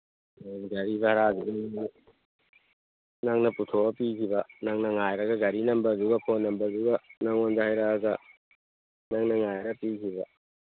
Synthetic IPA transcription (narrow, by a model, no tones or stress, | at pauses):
eɡɐɾibɐhɾaduɡn | naŋnɐputʰoɐpikʰibɐnaŋnɐŋajɾɐɡɐɡɐɾinɐmbɐduɡɐpʰonːɐmbɐduɡɐnaŋonzahajɾaɡɐ | naŋnɐŋajɾɐpikʰibɐ̰